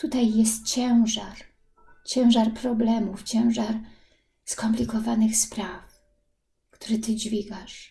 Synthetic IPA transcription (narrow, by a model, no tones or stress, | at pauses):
t̪ut̪ajːɛst̪̚t͡ɕɛw̃ʐaɾ | t͡ɕɛ̃w̃ʐaɾpɾɔblɛmuft͡ɕɛ̃w̃ʐaɾ | skɔmplʲikɔvanɘxspɾaf | kt̪uɾɘt̪ɘd͡ʑvʲiɡaʂ